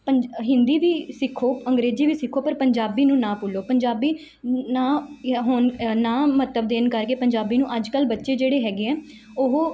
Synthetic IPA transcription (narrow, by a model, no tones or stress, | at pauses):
pəɦɪ̃nd̪iːʋiːsɪkʰːoːəŋɡɾeːd͡ʒiːʋiːsɪkʰːoːpəɾpəɲd͡ʒaːbiːnũːnãːpʊːloːpəɲd͡ʒaːbiː | nãːɦoːnnãːmət̪əbd̪eːnkəɾkeːpəɲd͡ʒaːbiːnũːʔəd͡ʒkəlbətːʃeːd͡ʒeːɽeːɦɛːɡeːɛː | oɦoː